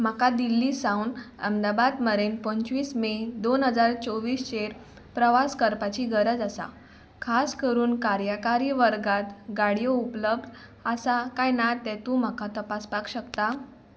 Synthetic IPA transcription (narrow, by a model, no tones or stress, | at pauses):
m̤akad̪ilːiːsãwnə̰md̪abad̪məɾenpə̃ɲt͡ɕʋiːsmed̪onɦəd͡zaɾt͡sɔʋiːst͡ɕeɾ | pɾəʋaskəɾpat͡ɕiːɡəɾəd͡zasa̰ | kʰaskəɾuːnkaɾjəkaɾiʋəɾɡat̪ɡaɽijoupləbd̪ | asakajnat̪ːɛ̃t̪ũm̤akat̪əpaspakɕəkt̪a